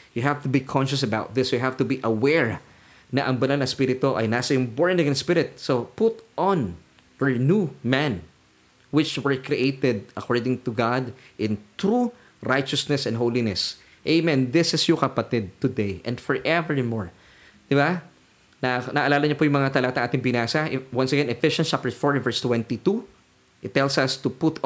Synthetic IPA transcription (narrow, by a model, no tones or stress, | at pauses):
jʊɦævt̪ʊbikʰɔ̃nʃɐsɐbaʊt̪̚ðɪsjʊɦavt̪ʊbiʔɐwɛɹ | nɐʔɐŋbɐnalnɐspiɾɪt̪oʔɐ̰jnaːsɐjʊŋbɔɹnɪ̃ŋɛ̃nspɪɾɪt̪̚sopʊt̪ʔɔn | hɛnumɛ̃n | wɪt͡ʃwɛɹkɹiʔeɪt̪ɛd̪̚ʔɐkʰɔɹd̪ɪ̃ŋt̪ʊɡad̪ʔɪ̃nt̪ɹu | ɹajt͡ʃɐsnɛsɛ̃nd̪ɦowlinɛs | ʔeɪmɛ̃nd̪ɪsɪsjɔkɐpɐt̪ɪd̪̚t̪ʊd̪ejʔɛ̰̃nd̪fɔɹʔɛvɹmɔɹ | d̪̥ɪba | nanaːʔɐlaːlɐɲɐpʊjʊŋmɐŋat̪ɐlaɡat̪ɐ̃ŋʔaːt̪ɪŋbɪnaːsɐwɐ̃nsɛɡɛ̃nɛfɪʃɐnt͡ʃap̚t̪ɛɹfɔɹvɛɹst̪wɛ̃nt̪it̪u | ʔɪt̪ːɛlsɐst̪upʊt̪